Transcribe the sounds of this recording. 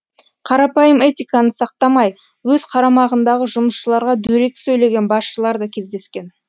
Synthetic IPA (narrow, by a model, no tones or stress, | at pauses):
qʰɑɾɑpɑjəme̞t̪ʲijkɑnəsɑq̚t̪ɑmɑj | wɵzqʰɑɾɑmɑʁənd̪ɑʁəʒʊməsʃəlˠɑɾʁɑd̪ɵɾe̞k̚ʲsɵjle̞ɡʲe̞nbɑsʃəlˠɑɾd̪ɑkʲʰe̞zd̪e̞skʲe̞n